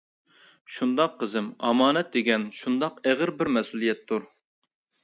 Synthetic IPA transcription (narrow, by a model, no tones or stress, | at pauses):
ʃund̪ɑqʰːəzɪmɑ̰mɑːnɛt̪̚d̪eɡʲɛnʃund̪ɑqæʁəɾbɪɾmɛsulˠijɛt̪ʰːuɾ